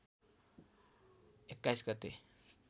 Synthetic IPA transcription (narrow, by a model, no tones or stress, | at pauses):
ekːajsɡʌt̪e